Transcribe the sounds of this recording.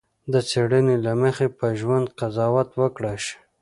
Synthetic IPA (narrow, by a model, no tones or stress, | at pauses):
d̪ət͡seɽənelaməxepəʒwand̪qazɑwat̪wəkɽaʃ